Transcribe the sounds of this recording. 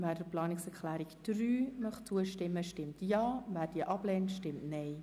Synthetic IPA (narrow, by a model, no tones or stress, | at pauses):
væːdəplɑːnɪksɛɾklæːɾikd̥ɾyːmœχt͡suəʃtɪmːəʃtɪmtjɑːvæːɾd̥iːəʔɑblɛːntʃtɪmtnɛɪ